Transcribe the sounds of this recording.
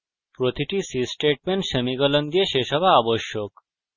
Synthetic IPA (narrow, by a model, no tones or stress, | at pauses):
pɾot̪ʰiʈisisʈeːʈ̚meɳʈʃɐmiɡəlɐnd̪ijeɕeʃɐʋaːboʃjok